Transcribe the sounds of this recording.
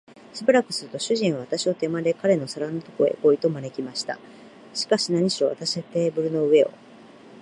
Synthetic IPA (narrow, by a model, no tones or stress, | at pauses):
ɕibɯ̟ɾakɯ̟̥sɨɾɯ̟t̪o̞ɕɨʑĩɰ̃βaβat̪aɕio̞t̪e̞mad̪e̞kaɾe̞no̞saɾanot̪o̞ko̞ḛko̞it̪o̞mane̞kʲimaɕi̥t̪a̰ | ɕi̥kaɕinaɲ̟iɕiɾo̞βa̰t̪aɕiat̪e̞ːbɯ̟ɾɯ̟no̞ɯ̟e̞o̞̰